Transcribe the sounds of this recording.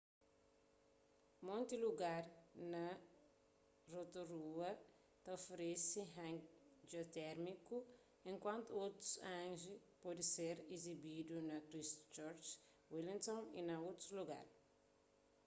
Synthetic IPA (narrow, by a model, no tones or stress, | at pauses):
mõnt̪iluɡaɾnɐ | rot̪uɾuɐ | t̪ɐofɾesiɦãŋd͡ʒot̪ɛɾmiku | ẽŋkwãnt̪uot̪u̥sãŋʒipɔd̪iseɾizibid̪unɐkɾist̪t͡ʃɔɾt͡ʃ | wilĩnt̪õnḭnɐot̪ɾuluɡa̰ɾ